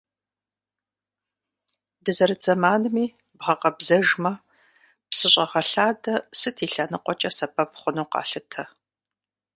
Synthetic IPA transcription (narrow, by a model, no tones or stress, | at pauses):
dɨzɐɾɨd͡zɐmaːnɨmiː | bʁɐqɐbzɐʒmɐ | psɨɕʼɐʁɐɬaːdɐsɨtʰiːɬɐnɨqʷʼɔt͡ʃʼɐsɐbɐpχʷʊnuːqɑ̰ːɬɨtʰɐ